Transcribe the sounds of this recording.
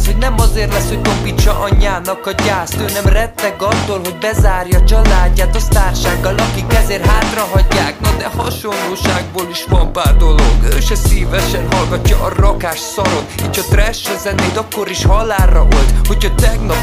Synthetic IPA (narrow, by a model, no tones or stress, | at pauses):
sho̞ɟnɛmɒzeːrlɛshoɟkopːit͡ʃːɒʔɒɲːaːnɒkɒɟaːst̪øːnɛmrɛt̪ːɛɡɒt̪ːolɦo̞ɟ̚bɛzaːrjɒt͡ʃɒlaːɟːaːt̪ɒst̪aːrʃaːɡːɒlɒkikɛzeːrɦaːt̪rɒɦɒɟːaːknɒd̪ɛhɒʃonːoːʃaːɡboːliʃʋɒmpaːrd̪o̞loɡøʃɛsiːvɛʃɛnɦɒlɡɒcːɒʔɒrɒkaːʃsɒɾo̞t̪iːcʰhɒt̪rɛʃːɛzɛnːeːt̪ɒkːoɾiʃhɒlaːrːɒʔolt̪ho̞chɒt̪ɛɡnɒp